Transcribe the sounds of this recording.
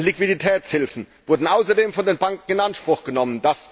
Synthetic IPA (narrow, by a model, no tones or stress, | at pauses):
likv̥iditʰɛːt͡shɪlfn̩vʊɐdn̩ʔaʊsɐdeːmfɔndeːnbaŋk̚ŋ̩ɪnanʃpʁ̥ʊxɡ̥ənɔməndas